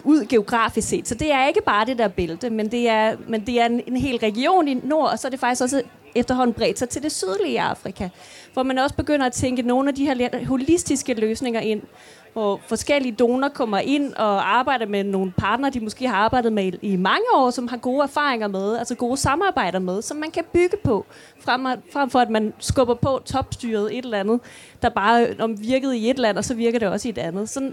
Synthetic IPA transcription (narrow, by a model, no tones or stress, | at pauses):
uð̞̰ˠɡ̥e̝o̝ɡ̥ʁɑ̰̈ːfise̝̰ːd̥sɒ̽d̥e̝æɐe̝ɡ̥əb̥ɑ̈ːd̥e̝d̥æɐ̰b̥e̝ləd̥əmend̥e̝æɐmend̥e̝æɐeenɦe̝̰ːlʁɛɡ̥io̝̰ːnino̝ɐ̰ɒ̽sɒ̽æɐd̥efɑ̈ɡ̥isɡ̥ɒ̽s̬ə | efd̥ɐɦɒ̽n̰n̩b̥ʁɛ̰ːd̥sɑt͡sʰe̝ld̥e̝syð̞ˠliɑ̈fʁikʰæ | ʋɒmænɒ̽sə̥b̥e̝ɡ̥øn̰ɐæt͡sʰeŋɡ̥əno̝ːn̩æd̥iheɐ̰le̥ɦo̝lisd̥isɡ̥əløːsne̝ŋɐʔe̝n̰ | ʋɒfɒ̽sɡ̥el̰iəd̥o̝ːnɐkʰɒ̽m̰ɐʔe̝n̰ɒ̽ɑ̈ːb̥ɑ̈ɪ̰ɾɐmeno̝ːn̩pʰɑ̈ːd̥nɐːd̥imosɡ̥e̝̰ːhɑ̈ɑ̈ːb̥ɑ̈ɪ̰d̥ð̩ˠmeimɑ̈ŋəɒ̰ːsɒ̽mɦɑ̈ɡ̥o̝ːæɐfɑ̈ːeŋɐmeð̞ˠælsɐɡ̥o̝ːsɑ̈mɑ̈ːb̥ɑ̈ɪ̰ɾ̥ɐmeð̞ˠsɒ̽mːænkʰæb̥yɡ̥əpʰɒ̽ | fʁɑfʁam̰fɒ̽æd̥mænsɡ̥ɔ̽b̥ɐpʰɒ̽t͡sʰɒ̽b̥sd̥yːɐð̞̩ˠe̝ɾ̥elɐænð̩ˠ | d̥ɑ̈b̥ɑ̈ːɒʋiɐɡ̥ð̞̩ˠie̝d̥læn̰ɒ̽sɒ̽ʋiɐɡ̥ɐd̥e̝ɒ̽səie̝d̥ænð̞̩ˠsɒ̽n